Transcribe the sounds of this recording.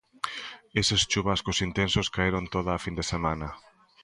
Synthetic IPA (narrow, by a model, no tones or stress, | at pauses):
esest͡ʃuβaskosint̪ensoskaeɾont̪oðaːfind̪esemãnɐ